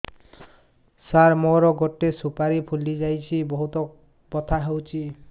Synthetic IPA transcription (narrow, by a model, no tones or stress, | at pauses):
saɾmoɾɔɡɔʈːesupaɾipʰulid͡ʒajt͡ʃʰibɔɦut̪ɔ | pɔt̪ʰaɦewt͡ʃʰi